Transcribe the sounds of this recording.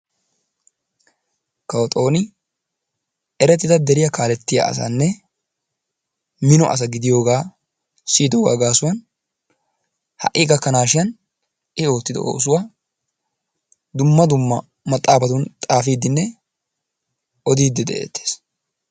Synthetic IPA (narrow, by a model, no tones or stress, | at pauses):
kɐwɔt̪ʼo̞ːnɪ | ɛɾɛt̪ːɪd̪ɐd̪ɛɾɪjɐkaːlɛt̪ːɪja̰ɐ̰sɐ̰nːɛ | mɪnɔʔɐ̰s̬ɐɡɪd̪ɪjo̞ːɡaː | siːd̪ɔwɐ̰ːɡaːsʊwɐn | hɐ̰ʔːɪːɡɐkːɐnaːʃɪjɐn | ʔɪo̞ːt̪ːɪd̪ɛ̰o̰ːs̬ʊwaː | d̪ʊmːɐd̪ʊmːɐ | mɐt̪ʼːaːfɐt̪ʊnt̪ʼaːfiːd̪ɪnːɛ | ɔd̪iːd̪ːɪd̪ɛʔḛːt̪ːe̥ːs